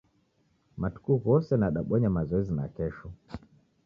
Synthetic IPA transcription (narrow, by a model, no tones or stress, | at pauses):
matu̥kuɣɔsɛnaɗaɓɔɲamazɔɛzina̰kɛʃɔ